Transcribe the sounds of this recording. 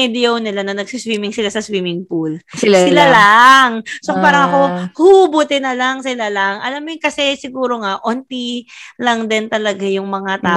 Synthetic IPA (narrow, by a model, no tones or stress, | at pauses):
ɛd̪ɛownɪlanɐnɐɡsiswiːmɪŋsɪlasɐswiːmɪŋpulssɪlalaŋsopaːɾɐŋɐko̞hubʊt̪ɛnɐlaŋsɪlalɐŋʔɐ̰lamːojkɐsɛsɪɡuːɾo̞ŋaʔont̪ilɐŋd̪ɛnt̪ɐlɐɡajʊŋmɐŋat̪aː